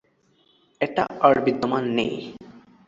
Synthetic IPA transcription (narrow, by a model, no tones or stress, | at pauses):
eʈa̰əɾbid̪ːomanːḛj